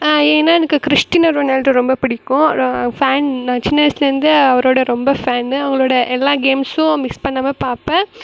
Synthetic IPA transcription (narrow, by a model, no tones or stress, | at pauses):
eːnːaːɛnɐkːɯkɾɪʂʈinɐɾʋɐneːlɾɯɾɔmbɐpɪɽɪkːʊ̃faːnnãːt͡ʃɪnːɐɐsɪlɐɾɯnd̪ɯɐʋɐɾoːɽɐɾɔmbɐfaːnɯɐʋɐŋɡɐɭoːɽɐʔɛlːaːɡeːmsʊ̃mɪkspɐɳːaːmeːpaːɾpɛ̃